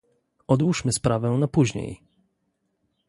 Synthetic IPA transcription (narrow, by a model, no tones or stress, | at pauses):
ɔd̪wuʂmɘspɾavɛ̃napuʑɲḛj